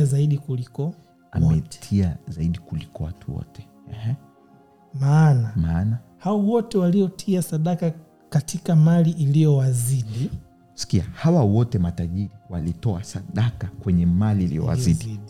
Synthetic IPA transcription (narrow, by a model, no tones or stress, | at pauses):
azaiɗikulikɔ | a̰mɛ̥tʰiazaiɗikulikɔwatʰuwɔ̰tɛ̥ | ɛhɛ | maːnamana | hawawɔtɛwaliɔtʰiasaɗaka | katʰikamaliʔilijɔwaziɗi | si̥kiahawawɔtɛmataʄiɾiwalitɔasaɗakakwɛɲɛmaliːlḭjɔ̰wa̰izi